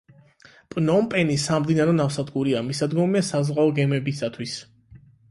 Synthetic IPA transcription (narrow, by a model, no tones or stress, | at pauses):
pʼnɔmpʼɛnisamd̪inaɾɔnafsad̪ɡʼuɾiamisad̪ɡɔmiasazʁaɔɡɛmɛbisat̪ʰwis